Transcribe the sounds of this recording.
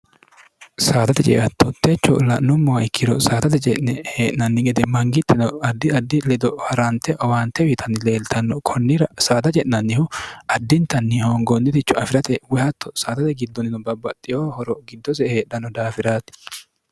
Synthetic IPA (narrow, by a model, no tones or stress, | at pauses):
saːt̪ɐt̪ɛt͡ʃʼɛ̰ʔɐt̪ʰːɔt̪ːet͡ʃːɔ̰lɐʔnːʊmːɔwɐɪkːɪd̪ɔsaːt̪ɐt̪ɛt͡ʃʼɛʔnɛheːʔnɐnːɪɡɛd̪ɛmɐŋɡɪt̪ːɛnɔɐd̪ːɪɐd̪ːɪlɛd̪ɔhɐɾant̪ɛʔɐwaːnt̪ːɛwɪt̪ʰɐnːɪle̞ːlt̪ʰɐnːɔkʰɔnːɪɾɐsaːt̪ɐt͡ʃʼɛʔnɐnːɪhʊɐd̪ːɪnt̪ɐnːɪhoːŋɡɔnːɪt̪ɪt͡ʃːɔɐfɪɾɐt̪ɛwɛhɐt̪ːɔsaːt̪ɐt̪ɛɡɪd̪ːɔnːɪnɔbɐbːɐt̪ʼːɪjoːhɔɾɔɡɪd̪ːɔsɛheːᶑɐnːɔd̪aːfɪɾaːt̪ɪ̥